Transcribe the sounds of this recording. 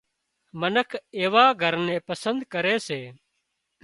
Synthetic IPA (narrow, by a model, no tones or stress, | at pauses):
mənəkʰeːʋaːɡʱəɾnẽːpəsənd̪kəɾeːseː